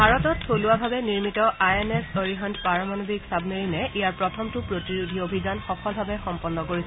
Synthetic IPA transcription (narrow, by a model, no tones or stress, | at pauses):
bʱaɹɔtɔtʰːoluabʱabɛniɹmitɔʔajɛnɛsoɹiɦɔndpaɹɔmanobʱiksab̚meɹinɛijaɹpɹɔtʰɔmtʊpɹotiɹudʱiobʱidanxɔkʰɔlbʱabɛxɔmpɔnːɔkoɹisɛ